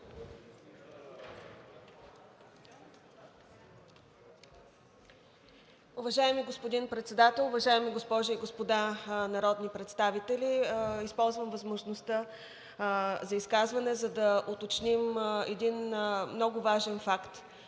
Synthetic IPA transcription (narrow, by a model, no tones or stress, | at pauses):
ʊvɐʒaɛmiɡospod̪inpɾɛt̪sɛd̪at̪ɛlˠʊvɐʒaɛmiɡospɔʒʊiɡospod̪anɐɾɔd̪nipɾɛt̪st̪avit̪ɛliispɔlˠzvəmvɐzmoʒnost̪ə | zɐiskazvɐnɛzɐd̪ɐʔot̪ot͡ʃnimɛd̪inmnɔɡʊvaʒɛnfakt̪